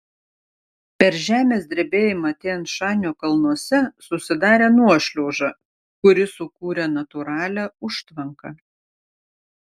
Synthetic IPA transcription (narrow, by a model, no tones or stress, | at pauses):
pʲɛɾʒʲæːmʲeːsʲd̪ʲɾʲɛbʲeːjɪmɑt̪ʲeːnt̪ʃɑːnʲoːkɐlˠnuɔsʲɛsʊsʲɪd̪ɑːɾʲeːnuɔʃʲlʲoːʒɑ | kʊɾʲɪsʊkuːɾʲɛnɐt̪ʊɾɑːlʲɛʊʃt̪ʋɐŋkɐ